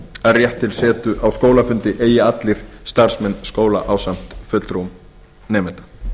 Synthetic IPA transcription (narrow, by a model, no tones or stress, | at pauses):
ɛrjɛht̪ʰːɪlsɛːt̪ʏʔawskoːwlafʏnt̪ɪʔeːjɪat̪lɪɾ̥st̪aɾ̥smɛnːskoːwla̰ʔawsam̥t̪fʏt̪lɾum | nɛːmɛt̪ḁ